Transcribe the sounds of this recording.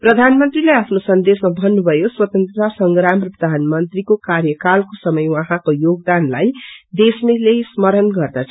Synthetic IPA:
prʌd̪ʱanmʌnt̪rileapʰnosʌnd̪esmabʱʌnːubʱʌjoswʌt̪ʌnt̪asʌŋɡɾampʌd̪ʱanmʌnt̪rikokarjʌkalkosʌmʌjwãɦãkojoɡ̚d̪anlajd̪esmelesmʌɾʌnɡʌrd̪at͡sʰ

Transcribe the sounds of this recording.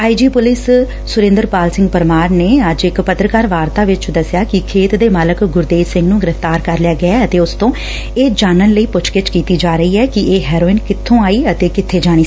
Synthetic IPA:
aːid͡ʒiːpʊlɪs | sʊɾẽːnd̪əɾpaːlsɪ̃ŋɡpəɾmaːɾneːəd͡ʒɪkpət̪ɾəkaːɾʋaːɾt̪aːʋɪt͡ʃd̪əsːjaːkɪkʰeːt̪d̪eːmaːləkɡʊɾd̪eːsɪ̃ŋɡnũːɡɪɾəft̪aːɾkəɾlɪjaːɡɪaːət̪eːʊst̪õː | eːd͡ʒaːnənləiːpʊt͡ʃkɪt͡ʃkiːt̪iːd͡ʒaːɾəiːɛːkɪeːɦɛːɾoːɪnkɪt̪ʰːõːaːiːət̪eːkɪt̪ʰːeːd͡ʒaːɽ̃iː

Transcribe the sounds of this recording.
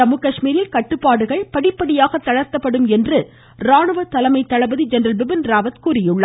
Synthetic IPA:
ɐmɯkɐʂmiːɾɪlkɐʈːɯpːaːɽɯɣɐɭpɐɽɪpːɐɽɪjaːɣɐt̪ːɐɻɐɾt̪ːɐpːɐɽɯmɛndrɯ | ɾaːɳɯʋɐt̪ɐlɐmɐɪt̪ːɐɻɐbɐðid͡ʒɐnɐɾɐlʋɪbɪnɾaːʋɐt̪kuːɾɪjɯɭːɐ

